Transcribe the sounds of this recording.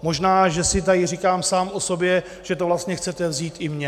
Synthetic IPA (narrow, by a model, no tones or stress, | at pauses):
mo̞ʒnaːʒɛsɪt̪ajɪrikaːmsaːmʔo̞so̞bjɛ | ʒ̥ɛt̪ovlast̪ɲɛxt͡sɛt̪ɛvziːt̪ʔɪmɲɛ